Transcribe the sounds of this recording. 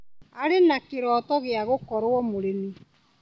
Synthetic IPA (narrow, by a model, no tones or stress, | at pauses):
aɾenakeɾɔːtɔɣeaɣokɔɾwɔmoɾeni